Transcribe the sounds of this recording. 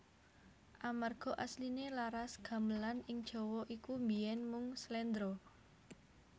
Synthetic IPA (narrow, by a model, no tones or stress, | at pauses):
ʔamarɡ̥ɔ̤ʔaslinelaɾasɡ̥a̤məlanɪŋd̥ʒ̥ɔ̤wɔʔikumbijɛnmʊŋslɛnd̪ɾɔ